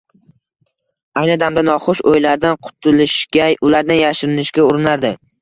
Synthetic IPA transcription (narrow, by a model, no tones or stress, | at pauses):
ajnɪd̪amd̪anɒχʊʃojlaɾd̪anqʰʊ̥t̪ʰʊlɪʃkʲaʊlaɾd̪anjaʃɪɾɪnɪʃkʲaʊɾɪnaɾd̪ɪ